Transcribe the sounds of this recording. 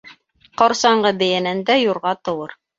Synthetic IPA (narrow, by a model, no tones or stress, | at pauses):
qɑɾsɑɴɢɤbɘ̆jænænd̪æjuɾʁɑt̪ɤ̆wɤɾ